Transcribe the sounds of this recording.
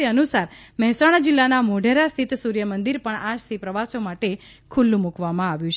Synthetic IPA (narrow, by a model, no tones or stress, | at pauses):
iənusaɾmɛɦɛsaɽ̃ad͡ʒilːanamoɖʱeɾast̪ʰit̪suɾjəmənd̪iɾpəɳad͡ʒt̪ʰipɾəʋasomaʈe | kʰulːũmukʋamãaʋjũt͡ʃ